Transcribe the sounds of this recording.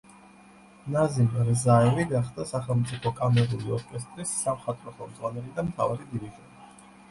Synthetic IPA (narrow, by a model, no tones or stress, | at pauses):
nazimɾzaɛliɡaχd̪asaχɛlˠmt̪sʼipʰɔkʼamɛɾuliɔɾkʼɛst̪ʼɾisːamχat̪ʼɾɔχɛlˠmd̪zʁwanɛlid̪amt̪ʰa̰vaɾid̪iɾiʒɛbi